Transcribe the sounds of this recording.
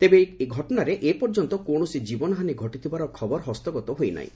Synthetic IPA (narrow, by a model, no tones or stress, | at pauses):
t̪ebeeɡʱɔʈɔnaɾeʔepɔɾd͡ʒɔnt̪ɔkoɳ̃ɔsid͡ʒibɔnɔɦaniɡʱɔʈit̪ʰibaɾɔkʰɔbɔɾɦɔst̪ɔɡɔt̪ɔɦojna̰ḭ̃